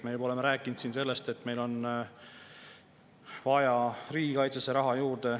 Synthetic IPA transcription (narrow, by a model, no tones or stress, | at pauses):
mejebo̞le̞meɾæːkːˑinud̪siːnse̞lːe̞st̪e̞t̪ːme̞jlo̞n | vɑjɑriːɡikɑjt̪seseɾɑɦɑjuːɾd̪̥e̞